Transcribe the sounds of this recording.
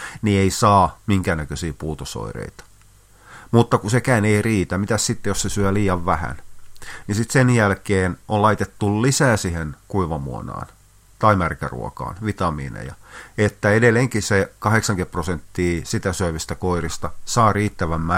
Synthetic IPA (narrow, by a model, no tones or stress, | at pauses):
nieisɑːmiŋkæːnækøsiːpuːt̪oso̰irḛit̪ɑ̥ | mut̪ːɑkusekæːneiriːt̪æmit̪æssit̪ːejossesyæliːɑʋʋæhæ̰nnisit̪senjælkeːnʔolɑit̪et̪ːullisæːsihenkuiʋɑmṵo̰nɑ̰ːn | t̪ɑimærkæ̰rṵo̰kɑ̰ːnʋit̪ɑmḭːnḛjɑet̪ːæedelːeŋkisekɑheksɑŋkepprosent̪ːiːsit̪æsøiʋist̪ækoirist̪ɑsɑːriːt̪ːæʋæmːæ